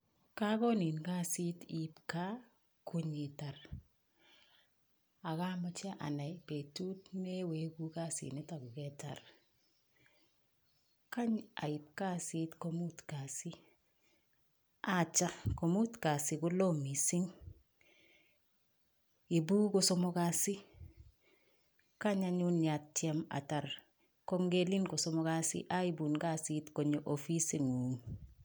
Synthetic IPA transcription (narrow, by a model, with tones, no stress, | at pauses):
ka˦kɔ˦ni˨nka˦si˦ti˨pka˦ | kʰu˦ɲi˨ta˨ɾ | a˨ka˦ma˦t͡ʃa˦ʔa̰˨na˨jpe˨tu˦tne˦we˨˦ku˦ka˦sḭ˨ni˦ta˨ɡʊ˨kɛ˦ta̰˨r | ka˦ɲa̰˨i˨p̚ka˦si˦tko˦mu˦tka˨si˦ | a˦t͡ʃa˦ko˨mu˦tka˨si˨ku˦lo˦mi˨si˦ŋ | i˨buː˦ko˨sɔ˦mo˦ka˦si˦ | ka˦ɲaɲu˦na˨t̚te˦ma̰˨ta˨ɾ | ko˦ŋɡe˦li˦nkɔ˨so˦mo˦ka˦sḭ˦ʔai˦bu˨nka˦sitko˨ɲo˨ʔofi˦se˨ŋuː˨m